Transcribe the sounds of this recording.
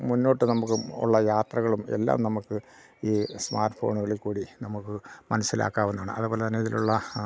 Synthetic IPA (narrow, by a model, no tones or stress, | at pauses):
munːo̞ːʈːɨnɐmukːɨṵɭːɐjaːt̪rɐɣɐɭume̞̰lːa̰ːmnɐmukːɨ | iːsma̰ːrʈːfo̞̰ːɳuɣɐɭilkuːɽinɐmukːɨmɐnɐsːila̰ːkːaːʋunːuaːɳɨ̰ʔɐðɨbo̞ːlet̪ɐnːeɐðiluɭːɐ